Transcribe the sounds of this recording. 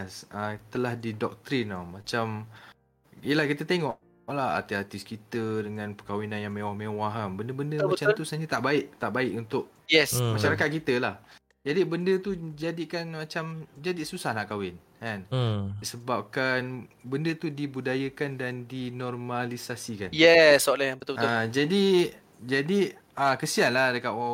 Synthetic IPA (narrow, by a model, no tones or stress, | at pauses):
sət̪əlahdidɔk̚t̪ɾinamat͡ʃam | ijəlahkit̪ət̪eŋɔʔ | ʔlaha̰rt̪iart̪iskit̪ədəŋãnpəkawinanjaŋmewahmẽwaɦanbəndəbəndəmat͡ʃamt̪uusahɲət̪aʔbaɪʔt̪aʔbaɪʔunt̪ʊʔ | jɛsmaʃaɾakat̪̚kit̪əlah | d͡ʒadibəndət̪ud͡ʒadiʔkanmat͡ʃamd͡ʒadiʔsusahlakawɪnkanisəbap̚kanbəndət̪udibudajəkandandinɔrmalisasikanjɛsːolahjabət̪ʊbəad͡ʒadi | d͡ʒadi | əkəsianladəkaʔa